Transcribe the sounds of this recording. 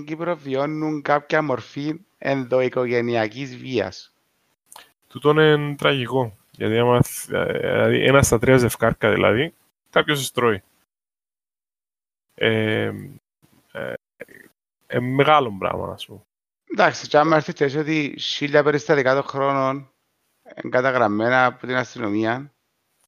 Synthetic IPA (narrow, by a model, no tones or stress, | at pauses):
ɟipɾo̞vio̞nːuŋkapçɐmo̞ɾfin | ḛnðo̞iko̞ʝe̞niɐcizviɐ̰s | t̪ut̪onent̪ɾɐʝiko̞ | ʝɐ̰t̪iɐmɐ | ḭlɐ̰ðḭʔḛnɐst̪ɐt̪ɾiɐzefkɐɾkɐðḭlʔɐ̰ði | kapços̬est̪ɾoi | e | ḛmmːeɣalo̞mbɾɐ̰ɣmɐ̰nɐ̰spum | nd̪aksit͡ʃamːeɾθit̪es̬iot̪iʃiʎːɐpeɾist̪ɐðikat̪oxɾo̞non | ḛŋɡat̪aɣɾɐmːenɐput̪inɐst̪inomiɐn